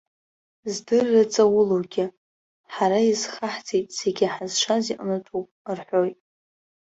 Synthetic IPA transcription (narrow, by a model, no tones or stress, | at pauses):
zdɨrːat͡sʼawʊluwɡʲɪ | ħaɾaizχaħt͡sʰʼijtʼze̞ɡʲɪħazʃʷʰaziqʼnɨtʰupʼrħʷojtʼ